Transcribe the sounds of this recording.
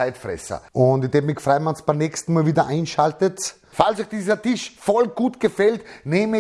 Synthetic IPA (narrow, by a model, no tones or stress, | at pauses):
aɪtfʁɛ̰sɐ̰ʊntɪtɛbmɪçfʁaɪmansb̥aɪmnɛkstn̩maːlviːdɐʔaɪnʃaltət | falsɔɪçd̥iːzɐtɪʃfɔlɡ̥uːtɡ̥əfɛltneːmə